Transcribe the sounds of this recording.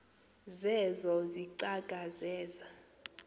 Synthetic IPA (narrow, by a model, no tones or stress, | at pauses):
zɛzɔziǀaɡ̥ʼʱazɛːza